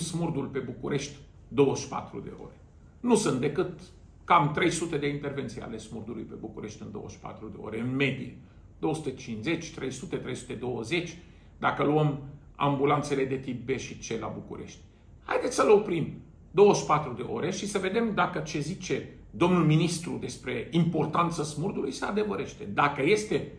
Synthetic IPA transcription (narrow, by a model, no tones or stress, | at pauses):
smurd̪ulpe̞bukuɾe̞ʃt̪ʲ | d̪o̞wəʃpa̰t̪ɾṵd̪e̞̰o̞̰ɾe̞ | nusunt̪̚d̪ekɨt̪ | kamt̪ɾe̞jsut̪e̞d̪e̞int̪e̞rve̞nt̪sija̰le̞smurd̪ulṵjpe̞bukuɾe̞ʃt̪ɨnd̪o̞̰wə̰ʃpa̰t̪ɾud̪e̞o̞̰ɾe̞ɨnme̞d̪ḭje | d̪oəsu̥t̪e̞t͡ʃinsze̞t͡ʃʲt̪ɾe̞jsut̪e̞t̪ɾe̞jsu̥t̪e̞d̪o̞wəze̞t͡ʃʲ | d̪akəluəm | a̰mbulant̪se̞le̞d̪e̞t̪ip̚be̞ʃit͡ʃe̞la̰bukṵɾe̞̰ʃt̪ʲ | ha̰jd̪et̪sʲsəleopɾim | d̪o̞wəʃpat̪ɾud̪e̞̰ʔo̞̰ɾe̞ʃisəve̞d̪e̞md̪akət͡ʃe̞zit͡ʃe̞ | d̪o̞mnulminist̪ɾud̪e̞spɾe̞impo̞rt̪ant̪səsmurd̪ulujsead̪e̞vəɾe̞ʃt̪e̞d̪akəje̞st̪e̞